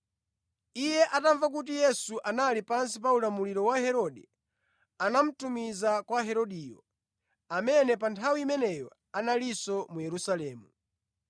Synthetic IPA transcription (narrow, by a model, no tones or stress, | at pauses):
ijɛʔataɱvak̬ut̬ijɛsuʔanalipans̬ipaulamuliɾɔwahɛɾɔɗɛ | anam̩tumizakwaɦɛɾɔɗijɔ̰ | amɛnɛpantʰawiimɛnɛjɔ | analisɔmujɛɾusalɛːmu